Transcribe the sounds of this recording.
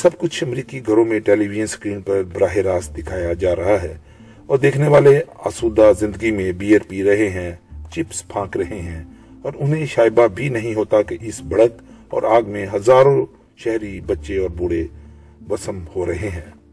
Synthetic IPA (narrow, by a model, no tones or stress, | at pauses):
sɐbkʊt͡ʃʰɐmɾiːkiɡʱɐɾõmẽʈeːliːʋɪd͡ʒənskɾiːnpɐɾbɾaːɦeɾaːsd̪ɪkʰaːjad͡ʒaːɾɐɦaɦɛː | ɔːɾd̪eːkʰneʋaːlea̰ːsuːd̪azɪ̃nd̪əɡimẽbiːəɾpiɾɐɦeɦɛ̃t͡ʃɪpspʰãːkɾɐɦeɦɛ̃ː | ɔːɾʊnɦẽʃaːɪbabʱinɐɦĩɦoːt̪akeʔɪsbʱɐɽəkɔ̰ːɾʔaːɡmẽɦɐzaːɾõ | ʃɛɦɾibɐtːʃeɔːɾbʊːɽe | ʋɐsəmhoɾɐɦeɦɛ̃ː